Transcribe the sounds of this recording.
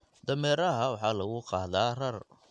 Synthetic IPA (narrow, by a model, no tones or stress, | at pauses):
d̪̥ɐmɛːɾɐɦɐwɑħɑːlɐɣʊqɑːðaːrɐr